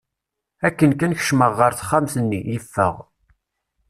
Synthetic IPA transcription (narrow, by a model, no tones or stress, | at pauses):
ækːənkænçə̥ʃməʁːəɾθχːamθənːijəfːə̰ʁ